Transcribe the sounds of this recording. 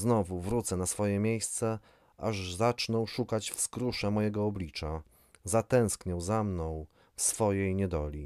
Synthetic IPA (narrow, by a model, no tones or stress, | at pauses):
znɔvuvɾut̪sɛnasfɔjɛmʲjejst̪sɛ | aʐzat͡ʂnɔwʂukat͡ɕfskɾuʂɛmɔjɛɡɔːblʲit͡ʂa | zat̪ɛ̃w̃skɲɛwzamnɔ̃w̃ | fsfɔjejɲɛd̪ɔlʲi